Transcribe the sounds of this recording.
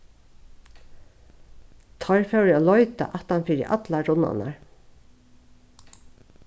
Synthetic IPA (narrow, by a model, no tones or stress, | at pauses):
t̪ʰɔɹfɛwɹɪoːlɔʏt̪a̰ʔat̪hanfɪɾɪ̰ʔɑ̰t̪laɾʊna̰na̰ɹ